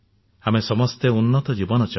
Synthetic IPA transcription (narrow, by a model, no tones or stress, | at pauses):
amesɔmɔst̪eunːɔt̪ɔd͡ʒibɔnɔt͡ʃa